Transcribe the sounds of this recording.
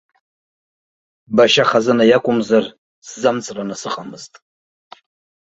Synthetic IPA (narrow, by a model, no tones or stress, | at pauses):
baʃaχazɨnajakʷʼʊmzar | szamt͡sʼranasɨqʼamɨztʼ